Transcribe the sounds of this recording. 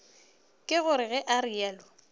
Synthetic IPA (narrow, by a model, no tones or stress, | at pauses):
kʼɪɣʊɾɪɣɛʔaɾiɛːlɔ